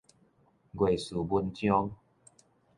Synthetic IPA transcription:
ɡwe˨˩su˨˩bu˧nt͡ɕjɔ˦ŋ

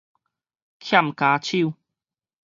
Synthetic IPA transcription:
k̪ʰja˥˨mka˨˧˦t͡ɕʰi˥˨

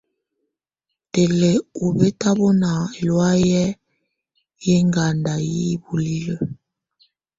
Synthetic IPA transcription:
te˨le˨u˨be˦ta˦βɔ˦na˨lwa˦jɛ˦ | je˦ŋɡa˨nda˨ji˦bu˨li˦lə˨

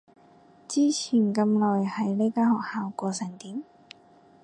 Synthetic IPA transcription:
t͡siː˥t͡sʰiː˨˩nkɐ˧mlɔː˨jhɐ˨jle˥kaː˥hɔː˨k̚haː˨˧wkɔː˧sɛː˨˩ŋt̪iː˨˥m

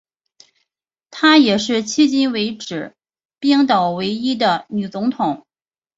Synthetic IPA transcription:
t̪ʰa˥jɛ˨˩ʂɻ̩˥˩t͡ɕʰi˥t͡ɕi˥nwe˧˥ɪʈ͡ʂɻ̩˨˩˦ | pjɛ˥ŋt̪ɑ˨˩ʊwe˧˥ɪi˥d̪ə˨ny˨˩t͡sʊ˧˥ŋt̪ʰʊ˨˩˦ŋ

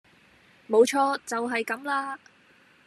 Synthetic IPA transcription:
mo˨˧wt͡ʃʰɔː˧t͡sɐ˨wɦɐ˨jkɐ˨˥mlaː˧

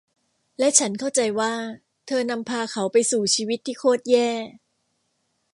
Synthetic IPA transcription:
lɛ˦˥ʔt͡ɕʰa˦˥nkʰa˥˩wt͡ɕa˧jwaː˥˩ | t̪ʰɤː˧na˧mpʰaː˧kʰa˦˥wpa˧jsuː˨˩t͡ɕʰiː˧wi˦˥t̪ʰːiː˥˩kʰoː˥˩t̪̚jɛː˥˩

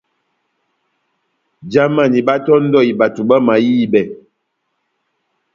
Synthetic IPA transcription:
d͡ʒa˦ma˦˨ni˨ba˦tɔ˦n̩˦dɔ˦˨i˨ba˨tu˨ba˦ma˨jiː˦˨bɛ˨

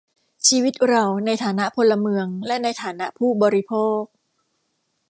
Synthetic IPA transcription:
t͡ɕʰiː˧wi˦˥t̪̚ɾa˧wna˧jt̪ʰaː˩˦na˦˥ʔpʰo˧lːa˧mɯ˧əŋlɛ˦˥ʔna˧jt̪ʰaː˩˦na˦˥ʔpʰuː˥˩bɔː˧ɾi˦˥pʰoː˥˩k̚

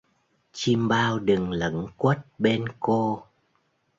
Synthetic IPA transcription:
t͡ɕi˧mɓaː˧wɗɨ˨˩ŋlə̰˧˦ŋkwə˦˥t̚ɓe˧nko˧

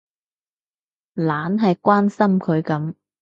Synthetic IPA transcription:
laː˨˥nɦɐ˨jkwaː˥nsɐ˥mkʰɵ˨˧ɥkɐ˨˥m

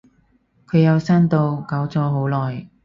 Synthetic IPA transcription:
kʰɵ˨˧ɥjɐ˨˧wsaː˥nt̪o˧wkɐ˨˥wt͡sɔː˨˧ɦo˨˥wlɔː˨j

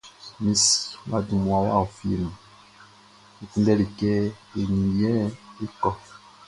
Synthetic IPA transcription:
mi˦swa˨du˨mu˨a˨wa̰˦˨o˨fi˦˨lm˨ | i˨ti˦ndɛ˦li˨kɛ˦e˨ni˨jɛ˦e˦kɔ˦

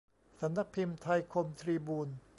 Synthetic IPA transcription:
sa˩˦mna˦˥k̚pʰi˧mt̪ʰa˧jkʰo˧mt̪ʰɾiː˧buː˧n

